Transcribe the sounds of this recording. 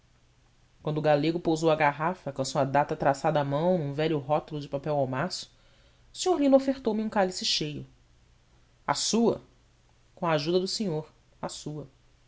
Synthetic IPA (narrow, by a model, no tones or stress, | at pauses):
kwɐ̃nd̪ʊɡaleɡʊpowzowɐɡaɦafɐkõsuɐd̪at̪ɐt̪ɾasad̪ɐamɐ̃w̃nũvɛʎʊɦɔt̪ʊlʊd͡ʒɪpapɛwawmasʊ̥ | ʊsĩɲoɾlĩnofeɾt̪owmɪũkalisɪʃejʊ | a̰suɐ̰ | kõɐaʒud̪ɐd̪ʊsĩɲoɾ | asuɐ